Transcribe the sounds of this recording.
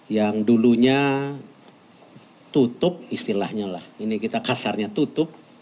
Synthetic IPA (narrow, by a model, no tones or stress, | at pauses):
jaŋduluɲa | t̪ut̪ʊp̚ist̪ilahɲalahinikit̪akasarɲat̪ut̪ʊp̚